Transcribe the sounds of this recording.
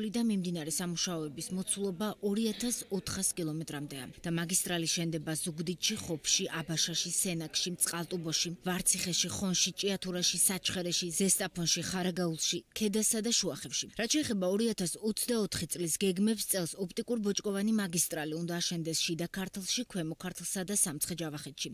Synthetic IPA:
lid̪amimd̪inaɾɛsamuʃaɔɛbismɔt̪sʰulˠɔbaʔɔɾiat̪ʰasɔt̪ʰχaskʼilˠɔmɛt̪ʼɾamd̪ɛa̰d̪̥amaɡist̪ʼɾalisʃɛnd̪ɛbaz̥uɡd̪it̪ʃiχɔpʰʃiʔabaʃaʃisɛnakʼʃimt̪sʼqʼalˠt̪ʼubɔʃivaɾt̪sʰiχɛʃiχɔnʃit͡ʃʼiat̪ʰuɾaʃisat͡ʃʰχɛɾɛʃizɛst̪ʼapʰɔnʃiχaɾaɡaulˠʃikʰɛd̪asad̪aʃuaχɛfʃiɾat̪̚t͡ʃʰɛːχɛbaɔɾiat̪ʰasɔt̪sʰd̪aɔt̪ʰχit̪sʼlisɡɛɡmɛpst̪sʼɛlˠsɔp̚ʰt̪ʼikʼuɾbɔt͡ʃʼkʼɔvanimaɡist̪ʼɾaliund̪aːʃɛnd̪ɛsʃid̪akʰaɾt̪ʰlˠʃikʰwɛmɔkʰaɾt̪ʰlˠsad̪asamt̪sχɛd͡ʒavaχɛt̪ʃi

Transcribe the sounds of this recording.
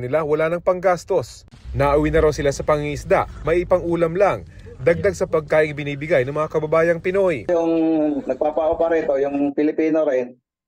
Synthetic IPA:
nɪlawɐlaːnɐŋpɐŋɡast̪o̞s | naʔɐwinɐɾawsɪlasɐpɐŋiʔɪsd̪a̰ʔmɐʔɪpɐŋʔuːlɐmlaŋ | d̪ɐɡ̚d̪aɡ̚sɐpɐɡ̚kaːʔɪŋbɪniːbɪɡajnɐŋmɐŋakɐbɐbaːjɐŋpɪno̞jjʊŋnɐɡ̚papaʔopaɾit̪ojʊŋpɪlɪpiːnoɾɪn

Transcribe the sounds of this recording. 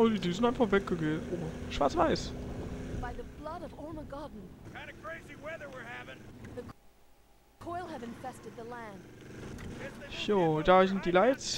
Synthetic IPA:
odidizɪn̩aɪnfaχvɛk̚əɡeʔoːʃv̥aːɐt͡sv̥aɪs | b̥aɪðəblʌɾʌvɔɹməɡɑdⁿn̩kãɪ̃nəkʰɹ̥eɪziwɛðə˞wɪɹhævɪ̃ŋðək | kʰɔɪlˠhəvɨ̃ɱfɛstɨd̪̚ðəlæ̃nd̥ | çodaːzɪnd̥iːlaɪts

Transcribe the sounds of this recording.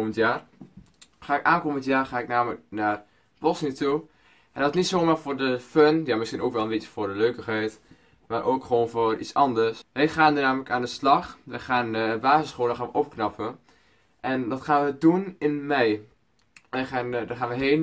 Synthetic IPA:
məntjaːr | χaːɪkʔaːnkoməntjaːrχaːɪknaːmələk̚naːr | b̥ɔsniətu | ʔɛndɔsnitsoːmaːrvʊːrdəfønjaːmɪsχinoːkʋɛlˠənmbett͡ʃə̥vʊːɹdəløːkəχɛjt | maːɾʔoːkχəʋoːnvʊrʔḭsɑndərsʋɛjχaːnənaːmələkaːndəslɑχʋəχaːnbaːzəsχolnəxaːnʋəʔopknɑpʰə | ʔɛndɑtχaːnʋədunɪnmɛj | ɛandaχaːnʋəɦeːn

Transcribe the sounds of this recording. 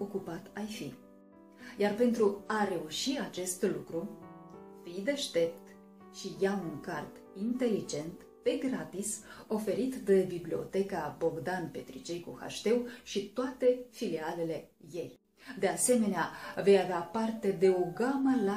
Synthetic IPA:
o̞kupat̪ajfḭ | jarpe̞nt̪ɾuaɾe̞uʃiat͡ʃe̞st̪lukɾu | fid̪e̞ʃt̪e̞p̚t̪ | ʃijauŋkart̪ | int̪e̞lid͡ʒe̞nt̪ | pe̞ɡɾat̪iso̞fe̞ɾit̪d̪ebiblio̞̰t̪e̞kabo̞ɡd̪anpe̞t̪ɾit͡ʃe̞jkṵha̰ʃt̪e̞wʃit̪oat̪e̞filiale̞le̞ | je̞j | d̪e̞ase̞me̞neave̞javeapart̪e̞d̪e̞o̞ɡaməla

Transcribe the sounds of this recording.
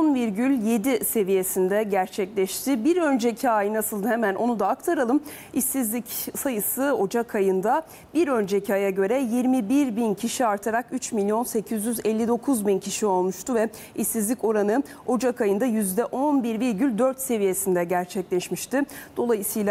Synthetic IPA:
onviɾɟylʲje̞d̪ise̞vije̞sind̪ɛɟæɾt͡ʃʰɛclʲɛʃt̪ʰɪbiɾø̞nd͡ʒɛcʰiajɯnasɯlˠd̪ɯhemæno̞nud̪aːkt̪ʰaɾalˠɯm | isizlʲicsajɯsɯo̞d͡ʒakʰajɯnd̪a | biɾø̞nd͡ʒɛcʰajaɟø̞ɾɛjiɾmibiɾbincʰiʃiaɾt̪ʰaɾakyt͡ʃmilʲijo̞nse̞cʰizjyzɛlʲːid̪o̞kʰuzbincʰiʃio̞lˠmuʃt̪uvɛ | isːizlʲico̞ɾanɯo̞d͡ʒakajɯnd̪ajyzd̪ɛʔo̞nbiɾviɾɟylʲd̪øɾt̪se̞vije̞sind̪ɛɟæɾt͡ʃʰɛclʲɛʃmiʃt̪ɪd̪̥o̞lˠajɯsɯjlˠa

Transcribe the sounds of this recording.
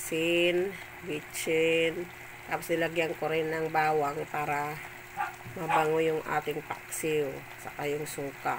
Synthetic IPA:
sin | ɡit͡ʃin | t̪apasilaɡiaŋkuɾinaŋbawaŋpaɾa | mabaŋujʊŋa̰t̪ɪŋpaksiu | sakajʊŋsuka

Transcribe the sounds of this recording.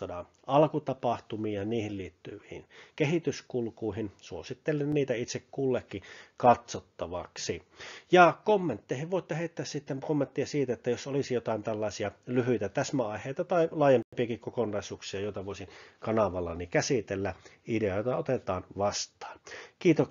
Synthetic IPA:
dɑːn | ɑlkut̪ɑpɑht̪umiːɑniːhilliːt̪ːyʋihḭnkehit̪yskulkuihinsuosit̪ːelːenniːt̪æit̪sekkuːlːekːikɑt̪sot̪ːɑʋɑksijɑkomːent̪ːeihiʋʋoˑit̪ːeheˑit̪ːæːssit̪ːeŋkomːent̪ːiɑsiːt̪æet̪ːæjosolisijot̪ɑˑint̪ælːɑˑesiɑlyhyt̪æt̪æsmæɑˑiheˑːt̪ɑt̪ɑilɑːjempimpiɑkikkokonːˑɑˑisuːksiɑjoˑet̪ɑʋoˑisinkɑnɑʋɑlːɑ̰nikæsit̪elːæʔideɑjot̪ɑot̪et̪ɑːnʋɑst̪ɑ̥ːnkiːt̪ok

